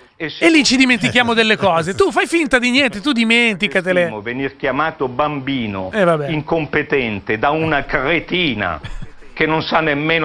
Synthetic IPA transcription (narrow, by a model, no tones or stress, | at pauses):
elːit͡ʃid̪iment̪̬ikjaːmod̪elːekɔːzet̪ufajfint̪ad̪iɲɛnt̪et̪ud̪iment̪ikat̪eleovenirkjamaːt̪obambiːno̰ɛvabɛiŋkompet̪ɛnt̪ed̪aunakɾet̪iːna̰kenːonsanːemːeːn